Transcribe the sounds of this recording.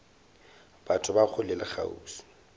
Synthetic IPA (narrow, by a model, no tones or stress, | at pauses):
b̥atʰʊbak͡xʰʊlɪlɪχʰa̰ṵːsi̥